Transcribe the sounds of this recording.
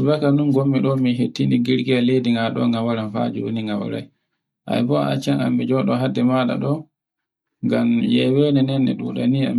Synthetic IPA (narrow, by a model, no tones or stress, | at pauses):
vakanunɡomːiɗɔmiɦetːiniɡiɾɡialejdiŋɡaɗɔ̰ŋɡawaɾanfa̰d͡ʒuwo̰niŋɡawɔ̰ɾa̰j | ʔa̰jbɔa̰t͡ʃaŋa̰mːid͡ʒɔɗɔɦadːɛmaɗa̰ɗɔ | ŋɡamjɛwɛnɛnɛnːɛ̰ɗṵːɗa̰nia̰m